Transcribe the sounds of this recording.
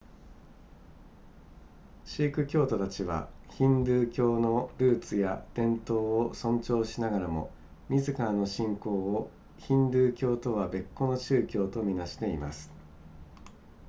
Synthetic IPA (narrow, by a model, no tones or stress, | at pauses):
ɕiːkɯ̟kʲo̞ːt̪o̞t̪at͡ɕiβ̞a̰çĩnd̪ɯːkʲo̞ːno̞ɾɯ̟ːt͡sɨjad̪̥ẽ̞nt̪o̞ːosõ̞ɲ̟t͡ɕo̞ːɕinaɡaɾamo̞̰ | mʲizɨkaɾano̞ɕĩŋko̞ːo | çĩnd̪ɯːkʲo̞ːt̪o̞βabe̞kːo̞no̞t͡ɕɨːkʲo̞ːt̪o̞mʲinaɕi̥t̪e̞ima̰sɨ̥